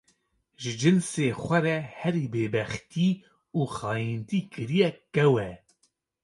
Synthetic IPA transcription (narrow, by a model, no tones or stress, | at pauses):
ʒɨd͡ʒɨnseːxʷɛɾɛhɛɾiːbeːbɛxt̪iː | uːxɑːjint̪iːkɨɾijɛkɛwɛ